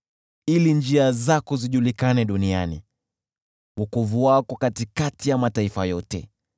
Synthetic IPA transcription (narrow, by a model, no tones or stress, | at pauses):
ilind͡ʒiazakɔziʄulikanɛɗunianḭ | ukuvuakɔkatikatijamataifajɔtɛ̰